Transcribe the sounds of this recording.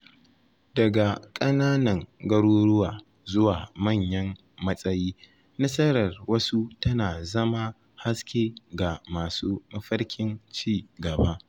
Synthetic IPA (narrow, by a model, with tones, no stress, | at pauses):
dɐ˨ɡa˨kʼɐ˦naː˦nɐ˨ŋɡɐ˦ɽoː˦ɽʊ˦waː˨ | zʊ˦waː˨mɐ˦˨ɲjɐ˦mː | ɐ˦sʼɐ˦jiː˦ | nɐ˦sɐ˦ɾɐ˨rwɐ˦su˦tɐ˦naː˨zɐ˦ma˦ | ha˦skʲeː˦ɡa˨maː˨suː˦mɐ˦ɸɐ˦rkʲɪ˦nt͡ʃiː˦˨ɡɐ˨ba˦ʔ